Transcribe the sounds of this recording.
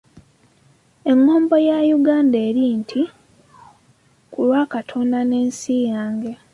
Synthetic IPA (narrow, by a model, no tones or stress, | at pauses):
e̞ŋːo̞ːmbo̞jajuɡaːndeːɾintʰi | kulwaːkatʰo̞ndane̞ːnsijaːŋɡe̞